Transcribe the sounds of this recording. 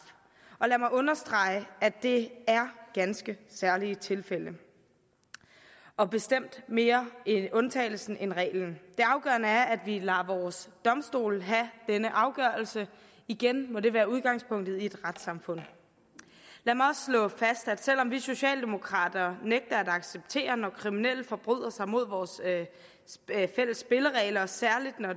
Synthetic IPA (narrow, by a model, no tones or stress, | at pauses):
ʔɒ̽læmɑ̈ɪɔ̽nɐsd̥ʁɑ̈ɪəæd̥e̝æɐɡ̥ænsɡ̥əsæɐlit͡sʰe̝lfel̰ə | ʔɒ̽b̥e̝sd̥em̰d̥me̝ːɐeɔ̽nt͡sʰɛ̰ɪl̩sn̩ʔenʁɛ̰ːɪln̩d̥e̝ɑ̈ʊɡ̥ɶɐnəæɐʔæd̥ʋilæʋɒːsd̥ɒ̽msd̥o̝̰ːlɦæd̥enəʔɑ̈ʊɡ̥ɶɐl̩sə | iɡ̥enmɒ̽de̝ʋæːɐuð̞ˠɡ̥ɑ̈ŋ̰spʰɔ̽ŋ̰d̥ð̞̩ˠie̝d̥ʁad̥sɑ̈mfɔ̽n̰ | læmɑɪɒ̽sslɔ̰̽ːfæsd̥æd̥sel̰ɒ̽mʋiso̝ɕɛ̰ːld̥e̝mo̝kʰʁɑ̰̈ːd̥ɐneɡ̥̚d̥ɐæd̥ɑ̈ɡ̥seb̥̚t͡sʰe̝̰ːɐnɒkʰʁiminel̰d̥fɒ̽b̥ʁy̰ð̞̰ˠɐsɑ̈ɪmo̝ð̞̰ˠʋɒːs | fel̰əsːb̥e̝ləʁɛːlɐsæɐlid̥nɒ